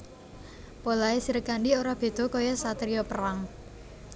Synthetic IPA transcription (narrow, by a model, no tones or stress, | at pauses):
polaesiɾəkaɳɖioɾab̥e̤d̪̥ɔ̤kojɔsat̪ɾijɔpəraŋ